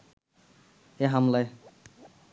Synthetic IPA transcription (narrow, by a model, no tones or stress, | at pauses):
heɦamlaj